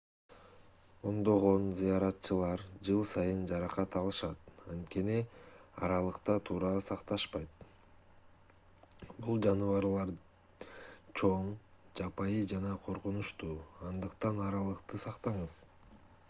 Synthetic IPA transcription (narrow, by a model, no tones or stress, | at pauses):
o̞nd̪o̞ʁo̞nzijɑɾɑt̪t͡ʃɯlˠɑɾd͡ʒɯlˠsɑjɯnd͡ʒɑɾɑqɑt̪ɑlˠɯʃɑt̪ɑnt̪ke̞niɑ̰ɾɑlˠɯqt̪ɑt̪ʰuːɾɑsɑqt̪ɑʃpɑjt̪̚ | bulˠd͡ʒɑnɯvɑɾlˠɑɾ | t͡ʃʰo̞ɴd͡ʒɑpɑjɯd͡ʒɑnɑqʰo̞ɾqunuʃt̪uːɑnd̪ɯqt̪ɑnɑɾɑlˠɯqt̪ɯsɑqt̪ɑɴɯz